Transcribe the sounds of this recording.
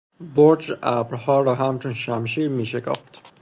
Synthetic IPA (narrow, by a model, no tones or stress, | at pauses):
boɾd͡ʒæbɾhɒːɾɒːɦæmt͡ʃʰonʃæmʃiːɾmiːʃekʰɒ̰ːft̪